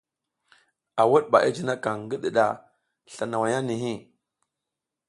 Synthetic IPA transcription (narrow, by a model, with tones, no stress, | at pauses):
a˨wu˦ɗɓa˨ʔa˦d͡ʒi˦na˦ka˨ŋɡi˦ɗi˨ɗa˨ | ɬa˨na˨wa˨ja˦ni˨ɦi˦˨